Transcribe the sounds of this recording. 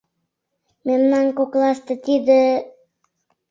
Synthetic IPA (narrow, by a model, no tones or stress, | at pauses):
memnaŋkoklˠast̪ət̪id̪ɪ